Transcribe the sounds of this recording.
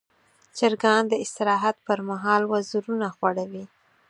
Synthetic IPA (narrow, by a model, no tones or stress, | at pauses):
t͡ʃaɾɡɑnd̪əɪst̪ɪɾɑɦat̪pəɾmaɦɑlwazuɾunaxwaɽawi